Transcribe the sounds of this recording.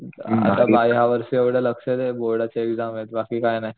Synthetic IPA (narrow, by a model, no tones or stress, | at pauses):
a̰t̪abajɦaʋəɾsieʋɽeləksed̪eboɽat͡ɕeekzamɦet̪bakiːkajnaj